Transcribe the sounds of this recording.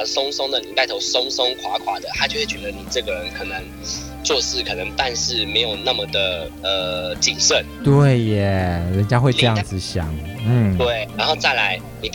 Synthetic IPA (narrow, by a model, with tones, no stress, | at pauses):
sʊ˥ŋsʊ˥ŋd̪ə˨ni˨˩t̪a˥˩ɪt̪ʰo˧˥ʊsʊ˥ŋsʊ˥ŋkʰwa˧˥kʰwa˨˥d̪ə˨xa˧˥t͡ɕo˥˧we˥˩t͡ɕɥɛ˧˥d̪ə˧˦ni˨˩ʈ͡ʂɤ˥˩ɡə˨˩ɻə˧˦nkʰɤ˨˩nə˧˦ŋ | t͡swɔ˥˧ʂɻ̩˥˩kʰɤ˨˩nə˧˦ŋt̪a˥˧nʂɻ̩˥˩me˧˥ɪjo˨˩ʊna˥˩mə˩d̪ə˩ə˩t͡ɕi˨˩nʂə˥˨nt̪we˥˩ɪɛ˨˩ɻə˧˥nt͡ɕja˥xwe˥˧ɪʈ͡ʂɤ˥˧jɑ˥˧˩ŋd͡zɹ̩˨˩ɕjɑ̰˨˩˦ŋnm̩˥˩we˥˩ɪɻa˧˥nxo˥˧ʊt͡sa˥˩ɪla˧˥ɪ | ni˨˩